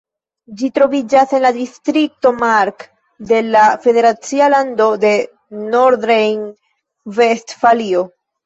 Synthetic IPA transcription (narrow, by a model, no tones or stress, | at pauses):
d͡ʒitɾo̞vid͡ʒase̞nladistɾik̚to̞maɾk | de̞lafe̞de̞ɾat͡sialando̞de̞ | noɾdɾejn | vestfalio̞